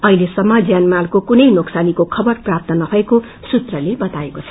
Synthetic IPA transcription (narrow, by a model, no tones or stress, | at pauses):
ʌɦilesʌmːʌd͡zjanmalkokunʌjnoksanikokʰʌbʌrprap̚t̪ʌnʌbʱʌeko | sut̪rʌlebʌt̪aekot͡sʰʌ̥